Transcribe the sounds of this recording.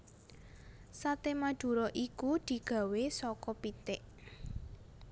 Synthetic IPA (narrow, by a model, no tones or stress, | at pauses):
sat̪emḁd̪̥ṳɾɔʔikud̪̥i̤ɡ̥ä̤wesɔkɔpit̪ɪʔ